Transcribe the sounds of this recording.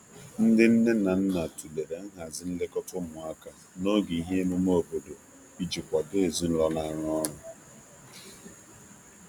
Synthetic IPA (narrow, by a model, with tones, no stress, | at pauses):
n̩˦dɪ˦n̩˦ne˦na˨n̩˦na˨tu˨le˨ɾe˨ŋ̩˦ɦa˨zɪ˦n̩˦lɪ˦kɔ˦tʊ˦mʊ˨a˦ka˨ | no˦ɡe˨i˨ɦe˦e˦mo˦m˦o˦o˨bo˨do˨ | i˦d͡ʒi˨kʷa˨de˦e˨zu˦n̩˦lɔ˦na˦ɾɔ˦nʊ˨